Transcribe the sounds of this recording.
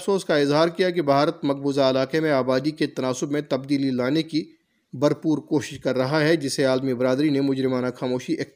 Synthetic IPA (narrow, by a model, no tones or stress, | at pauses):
soːskaɪzɦaːɾkijakibʱaːɾət̪mɐk̚buːzaɐlaːqemẽaːbaːd̪iket̪ɐnaːsʊbmẽt̪ɐbd̪iːlilaːneki | bɐɾpuːɾkoːʃɪʃkɐɾːɐɦaɦɛd͡ʒɪseaːlmibɾaːd̪ɾinemʊd͡ʒɾɪmaːnaxaːmoːʃiʔe